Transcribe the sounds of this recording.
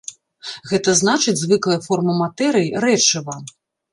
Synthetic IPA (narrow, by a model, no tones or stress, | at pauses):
ɣɛt̪ɐznat͡ʂɨd͡zʲzvɨklˠɐjɐfɔrmɐmat̪ɛɾɨjiɾɛt͡ʂɐvɐ